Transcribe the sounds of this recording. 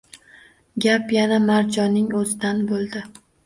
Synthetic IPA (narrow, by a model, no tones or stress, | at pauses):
ɡʲapjanamaɾd͡ʒɒnɪŋɵzɪd̪anbolˠd̪ɪ